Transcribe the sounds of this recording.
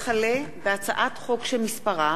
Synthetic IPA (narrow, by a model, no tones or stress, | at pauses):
χalebeat͡saʔatχo̞kʃelmispaʁa